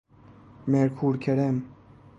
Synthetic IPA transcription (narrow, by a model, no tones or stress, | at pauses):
meɾkʰuːɾkʲʰeɾem